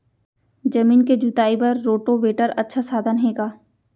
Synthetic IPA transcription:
d͡ʒɐmiːnked͡ʒut̪aːipɐɾːoːʈoʋeːʈəɾɐtːʃʰasaːd̪ʱənɦeːɡaː

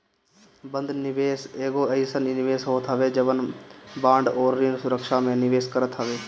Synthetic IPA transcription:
bə̃nd̪nɪʋeːseːɡoəjsəninɪʋeːsɦoːt̪ɦəʋeːd͡ʒəʋənbãːɳɖɔːɾːɪnsʊɾəkʃamẽnɪʋeːskəɾət̪ɦəʋeː

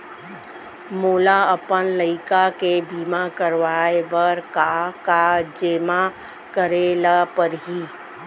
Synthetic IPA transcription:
muːlaəpənləɪkakebiːmakəɾʋaːebəɾkakad͡ʒeːma | kəɾeːlapəɾɦiː

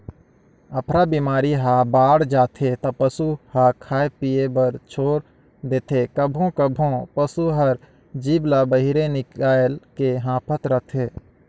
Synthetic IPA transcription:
əpɾabiːmaːɾiɦabaːɽd͡ʒaːt̪ʰet̪ɐpəsuhakʰaːepijebəɾt͡ʃʰoːɾ | d̪eːt̪ʰekəbʱõkəbʱõpəsuɦəɾ | d͡ʒiːblabəɦɪɾenɪkaːlkeɦãːpʰət̪ɾət̪ʰeː

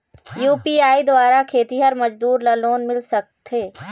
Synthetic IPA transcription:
juːpiːaːid̪waːɾakʰeːt̪iɦɐɾmɐd͡ʒd̪uːɾlɐloːnmɪlsɐk̚t̪ʰeː

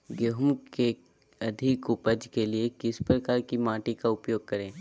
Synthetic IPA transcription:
ɡoɦʊmke | ɐd̪ʱɪkʊpəd͡ʒkeliekɪspɾɐkaːɾkimãːʈikaʊpjoːɡ̚kɐɾẽː

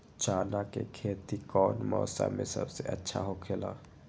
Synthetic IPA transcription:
t͡ʃaːnakekʰeːt̪ikɔːnmɔ̰ːsa̰mḛ̃sə̰bseʔətːʃʰaɦokʰeːla̰ː

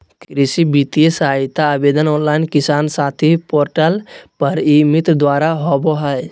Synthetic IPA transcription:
kkɾɪsibit̪ijesaːɪt̪aːbeːd̪ənɔːnlaːɪnkɪsaːnsaːt̪ʰipoːɾʈəlpɐɾimɪt̪ɾd̪waːɾaɦɔːboɦa

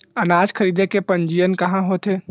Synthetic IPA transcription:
ənad͡ʒkʰəɾid̪ekepənd͡ʒijənkəɦãɦot̪e

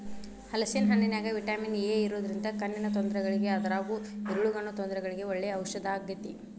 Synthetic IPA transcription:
hɐlɐsinɦɐnːinjaːɡɐʋiʈaːmineːiɾoːd̪ɐɾind̪ɐkɐnːinɐt̪ɔnd̪ɐɾɛɡɐɭiɡe̞ɐd̪ɐɾaːɡuiɾuɭuɡɐɳːut̪ɔnd̪ɾɛɡɐɭiɡe̞ɔɭːeɐwʃɐd̪aːɡːɐt̪i

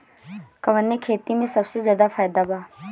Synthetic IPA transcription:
kɐʋənːekʰeːt̪imẽsɐbsezjaːd̪afaːjd̪abaː

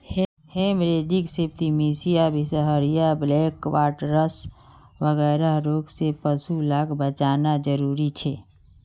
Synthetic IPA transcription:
hemɾed͡ʒiksep̚t̪imisijabʱisəɦəɾijableːkʋaːʈɾəs | ʋəɣɛːɾaɦɾoːɡsepəsulaːɡbət͡ʃaːnad͡ʒəɾuːɾit͡ʃʰɛ

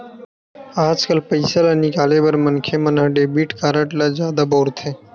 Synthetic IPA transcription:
aːd͡ʒkəlpəɪsalanɪkaːleːʋəɾmənkʰeːmənɦəɖeːbiːʈkaːɾəʈlazjaːd̪aːboːɾt̪ʰeː

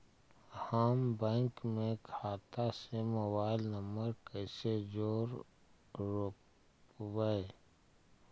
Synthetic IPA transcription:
haːmbɛ̃ːŋkmẽkʰaːt̪asemobaːɪlnəməɾkəɪsed͡ʒoːɾ | ɾok | wəe

